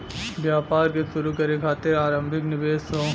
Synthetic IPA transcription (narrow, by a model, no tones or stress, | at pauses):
bjaːpaːɾkeʃʊɾukɐɾekʰaːt̪ɪɾaːɾə̃mbʱɪknɪʋeːso